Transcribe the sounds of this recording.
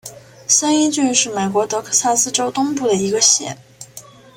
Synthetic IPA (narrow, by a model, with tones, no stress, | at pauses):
sə˥ni˥t͡ɕy˥˧nʂɻ̩˥˩me˨˩ɪkwɔ˧˥t̪ɤ˧˥kʰɤ̥˥˩sa˥˧sɹ̩˥˧ʈ͡ʂo˥ʊt̪ʊ˥ŋpu˥˩d̪ə˩i˧˥ɡə˧ɕjɛ̰˧˥n